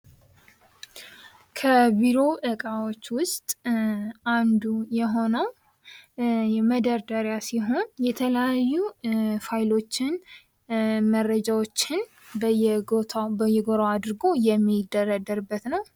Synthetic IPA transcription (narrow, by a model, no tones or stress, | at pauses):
kʰəbiɾo̞ʔɨkʼawo̞t͡ʃːwʊst̪ʼ | and̪ujɛɦo̞nəw | jɛməd̪əɾd̪əɾjasiɦo̞njɛt̪ʰələjajːufajlo̞t͡ʃːɪn | mərːəd͡ʒawo̞t͡ʃːɪn | bəjɛɡot̪ʰabəjɛɡoɾaad̪ɨɾɡo̞jɛmːid̪ːəɾad̪əɾɨbːət̪nəw